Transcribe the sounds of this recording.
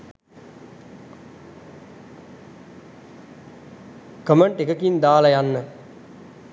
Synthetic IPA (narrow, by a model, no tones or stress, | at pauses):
kəməɳʈekəkind̪aːlɐjanːə